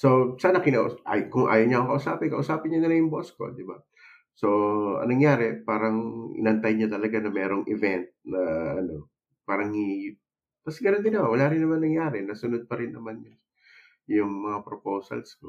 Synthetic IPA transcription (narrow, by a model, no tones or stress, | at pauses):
sosaːnɐkɪnaʔʔajkʊŋʔa̰ːjoɲaɐʔkokɐʔʊsaːpɪnkɐʔʊsaːpɪnɲɐnɐnajʊŋbosko̞̰d̪ɪba | so̞ʔɐ̰ŋnɐŋjaːɾɛpaːɾɐŋʔɪ̰nɐʔɐnt̪ajɲɐt̪ɐlɐɡanɐmɛːɾoŋʔɪvɛnt̪̚nɐʔɐno̞ | paːɾɐŋhi | t̪ɐsɡɐnond̪ɪnɐmawɐlaːɾɪnːɐmanɐŋjaːɾɛnɐsʊnod̪̚pɐɾɪnːɐmanɲa | jʊŋmɐŋapɾopowsɐ̰lsko